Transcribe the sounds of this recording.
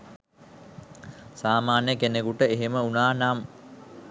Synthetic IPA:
saːmaːnjəkenekuʈəeɦeməunaːnam

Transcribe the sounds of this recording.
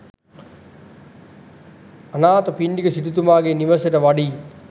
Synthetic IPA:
anaːt̪opiɳɖikəsit̪ut̪̬umaːɡeniʋəseʈəʋaɖiː

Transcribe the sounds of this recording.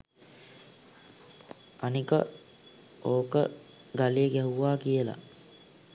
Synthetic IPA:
anikə̰ | oːkə̰ | ɡalejːɡɛɦuʋaːkijəla̰

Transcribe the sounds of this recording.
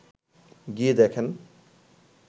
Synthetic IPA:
ɡid̪ekʰen

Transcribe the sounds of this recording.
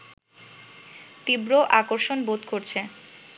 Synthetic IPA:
t̪ibɾoʔakoɾʃonbot̪koɾt͡ɕʰe

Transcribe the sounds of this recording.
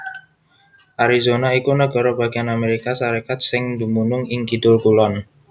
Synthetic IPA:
ʔaɾizonaikunəɡɔɾoba̤ɡianameɾikasaɾekat̪̚sɪŋd̪umunʊŋɪŋkidʊlkulɔn

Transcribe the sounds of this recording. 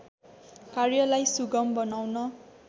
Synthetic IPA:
karjʌlajsuɡʌmbʌnawnʌ

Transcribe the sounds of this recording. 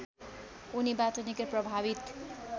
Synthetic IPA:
unibatʌnikeprʌbʱaβit̪

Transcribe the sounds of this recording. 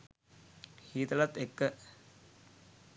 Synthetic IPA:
hiːt̪ɐlɐt̪ekːə

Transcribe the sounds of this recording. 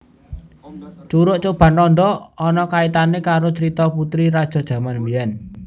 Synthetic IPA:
t͡ʃuɾʊʔt͡ʃob̥a̤nɔnd̪ɔɔnɔkait̪anekaɾot͡ʃəɾit̪ɔput̪ɾiɾad̥ʒ̥ɔ̤d̥ʒ̥ä̤manbijɛn

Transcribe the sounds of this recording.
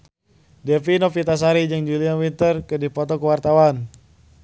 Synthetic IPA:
dɛfinɔfit̪as̬aɾid͡ʒɨŋd͡ʒuliawint̪ərkɨdipɔt̪ɔkəwart̪awan

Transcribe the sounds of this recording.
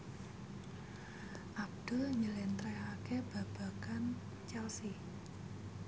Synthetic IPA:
ʔab̚d̪̥ə̤ɲəlɛnt̪ɾɛɦakeb̥a̤b̥a̤kan | t͡ʃɛlsi

